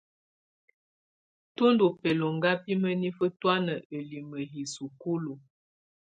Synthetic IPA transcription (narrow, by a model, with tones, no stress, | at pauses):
tu˦ndu˨pɛ˨lo˨ŋɡa˦pi˦mə˦ni˦fə˦twa˦nə˨ʔə˨li˨mə˨ɦi˨su˨ku˦lu˨